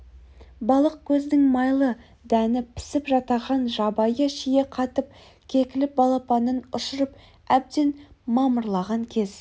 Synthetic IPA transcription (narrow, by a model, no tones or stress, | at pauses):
bɑlˠəq̚kʲʰɵzd̪ɪŋmɑjlˠə | d̪ænɪpʰɪ̥sɪpʒɑt̪ɑʁɑnʒɑbɑjəʃijeqʰɑt̪əp̚ | kʲʰe̞kʲɪlɪp̚bɑlˠɑpɑnənʊʃəɾəp | æb̚d̪e̞nmɑməɾlˠɑʁɑŋkʲʰe̞z̥